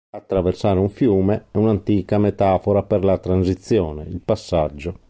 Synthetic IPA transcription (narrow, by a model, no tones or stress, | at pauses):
at̪ːɾaversaːɾeuɱfjuːmeɛunant̪iːkamet̪aːfoɾapeɾlat̪ɾansit̪sːjɔːnḛilpasːad͡ʒːo